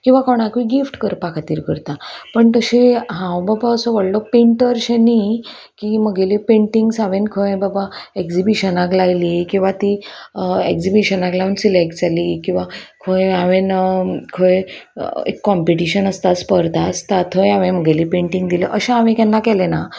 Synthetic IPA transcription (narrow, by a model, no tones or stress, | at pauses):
kĩw̃ʋakɔɽ̃akʋiɡifʈkəɾpakʰat̪iːɾkəɾt̪apəɳt̪əɕeɦãwbabaəsɔʋəɽlɔpiɳʈəɾɕeni | kiməɡelipẽɳʈiŋɡsaʋẽnkʰoẽbabaekd͡zibiɕənaklajlikĩw̃ʋat̪i | ekd͡zibiɕənaklawnsilek̚ʈd͡zalikĩw̃ʋakʰojaʋenkʰojḛkːɔmpiʈiɕənəst̪aspəɾt̪ast̪at̪ʰojaʋẽməɡelipẽɳʈiŋɡd̪ileʔəɕẽaʋẽkɛ̃nːakɛlena